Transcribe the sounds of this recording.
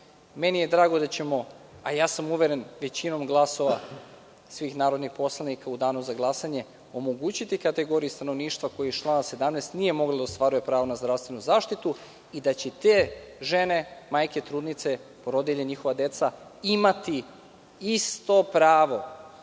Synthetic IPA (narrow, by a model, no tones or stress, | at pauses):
menije̞d̪ɾaːɡod̪at͡ɕe̞mo̞ajaːsamuʋeɾenʋe̞t͡ɕino̞mɡlˠaso̞ʋa | sʋixnaːɾod̪nixpo̞slˠanikaud̪aːnuzaɡlˠasaɲe | o̞moɡut͡ɕit̪ikat̪eɡo̞ɾijust̪anoʋniːʃt̪ʋako̞jijt͡ʃlˠaːnase̞d̪amneːst̪nije̞mo̞ɡlod̪aost̪ʋaɾuje̞pɾaːʋonazd̪ɾaʋst̪ʋe̞nuzaːʃt̪it̪u | id̪at͡ɕet̪eʒene̞majket̪ɾuːd̪nit̪se̞poɾod̪jeʎeɲixoʋad̪et̪saimat̪i | ist̪o̞pɾaːʋo̞